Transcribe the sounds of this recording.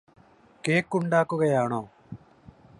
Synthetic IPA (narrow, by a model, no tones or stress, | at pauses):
keːkʊɳɖaːkoːɡɐjaːɳoː